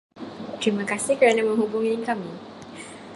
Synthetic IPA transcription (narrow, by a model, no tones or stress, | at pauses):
t̪ɾimãkasɪhkəɾanaməŋɦubuŋikami